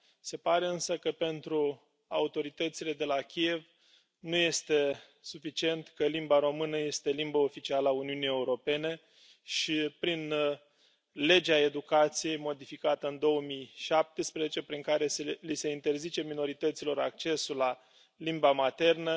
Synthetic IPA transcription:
se̞paɾe̞ɨnsəkəpe̞nt̪ɾu | aut̪o̞ɾit̪ət̪sile̞d̪e̞lakʲie̞v | nuje̞st̪e̞ | sufit͡ʃie̞nt̪kəlimbaɾo̞mɨnəje̞st̪e̞limbəo̞fit͡ʃialəauniunije̞uɾo̞pe̞ne̞ | ʃipɾin | le̞d͡ʒeae̞d̪ukat̪sije̞jmo̞d̪ifikat̪əɨnd̪o̞wəmijʃap̚t̪espɾe̞zet͡ʃe̞pɾiŋkaɾe̞selise̞int̪e̞rzit͡ʃe̞mino̞ɾit̪ət̪silo̞ɾak̚t͡ʃe̞sula | limbamat̪e̞rnə

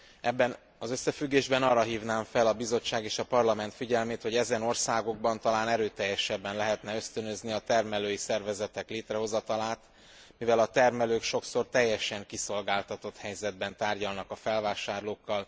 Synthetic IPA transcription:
ɛbːɛn | ɒzø̞sːɛfyɡːeːʒbɛnɒːrːɒɦiːvnaːɱfɛlɒbizo̞t͡ʃːaːɡeːʃɒpɒrlɒmɛn̪t̪fiɟɛlmeːt̪ho̞ɟɛzɛno̞rsaːɡo̞ɡ̚bɒnt̪ɒlaːnɛɾøːt̪ɛjːɛʃɛbːɛnlɛɦɛt̪nɛø̞st̪ønøzniɒt̪ɛrmɛløːjisɛrvɛzɛt̪ɛkleːt̪rɛɦo̞zɒt̪ɒlaːt̪ | mivɛlɒt̪ɛrmɛløːkʃo̞kso̞rt̪ɛjːɛʃɛŋkiso̞lɡaːlt̪ɒt̪o̞t̪hɛjzɛd̪̚bɛnt̪aːrɟɒlnɒkɒfɛlvaːʃaːrloːkːɒl

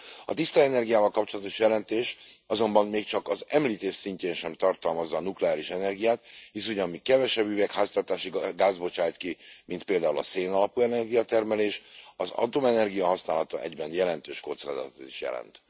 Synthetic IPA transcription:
ɒ̰t̪ist̪ɒɛnɛrɡijaːvɒlkɒpt͡ʃo̞lɒt̪o̞ʃjɛlɛnt̪eːʃɒzo̞mbɒmmeːkt͡ʃɒkɒzɛmliːt̪eːʃsiɲceːnʃɛmt̪ɒrt̪ɒlmɒzːɒːnuklɛaːliʃɛnɛrɡijaːt̪hisuɲɒmmikɛvɛʃɛbːyvɛkhaːst̪ɒrt̪aːʃiɡaːzbo̞t͡ʃaːjt̪kimint̪̚peːld̪aːulɒ̰seːnɒlɒpuɛnɛrɡijɒt̪ɛrmɛleːʃɒ̰zɒ̰t̪omɛnɛrɡijɒɦɒsnaːlɒt̪ɒʔɛɟbɛnjɛlɛnt̪øːʃkot̪sra̰ːd̪ɒ̰t̪ot̪i̥ʃjɛ̰lɛ̰nt̪

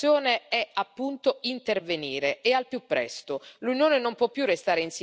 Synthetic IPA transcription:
joːneɛapːunt̪oint̪erveniːɾeːalpjupːɾɛ̰st̪olunjoːnenompwɔpːjurːest̪aːɾeins

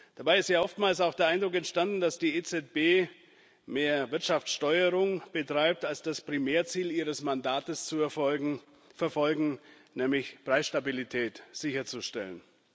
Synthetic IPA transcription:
d̥abaɪɪstjaːʔɔftmaːlsaʊxd̥eːɐʔaɪndʁʊkɛntʃtandn̩d̥asd̥iːet͡sɛt̚b̥eː | meːɐvɪɐtʃaft͡sʃtɔʏəʁʊŋb̥ətʁ̥aɪp̚talsd̥aspʁ̥imeːɐt͡siːliːʁəsmandaːtəst͡suɛ | fɛɐfɔlɡŋ̩ | nɛːmlɪçpʁ̥aɪsʃtabilitʰɛːtz̥ɪçɐt͡suʃtɛ̰lən

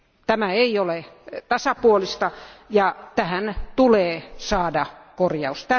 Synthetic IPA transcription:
t̪æmæeiolet̪ɑsɑpuolist̪ɑjɑt̪æhænt̪uleːsɑːdɑkorjɑust̪æ

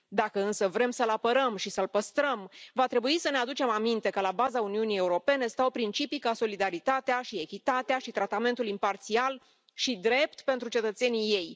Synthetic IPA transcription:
d̪akəɨnsəvɾe̞msəlapəɾəmʃisəlpəst̪ɾəmvat̪ɾe̞buisənead̪ut͡ʃe̞mamint̪e̞kəlabazauniunije̞uɾo̞pe̞ne̞st̪awpɾint͡ʃipikaso̞lid̪aɾit̪at̪eaʃie̞kʲit̪at̪eaʃit̪ɾat̪ame̞nt̪ulimpart̪sial | ʃid̪ɾe̞p̚t̪pe̞nt̪ɾut͡ʃe̞t̪ət̪se̞nije̞j

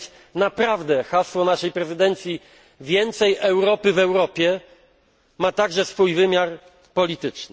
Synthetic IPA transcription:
napɾavd̪ɛxaswɔnaʂɛjpɾɛzɘd̪ɛnt̪sʲji | vʲjɛnt̪sɛjɛwɾɔpɘvɛwɾɔpʲjɛ | mat̪aɡʐɛsfujvɘmʲjaɾ | pɔlʲit̪ɘt͡ʂnɘ

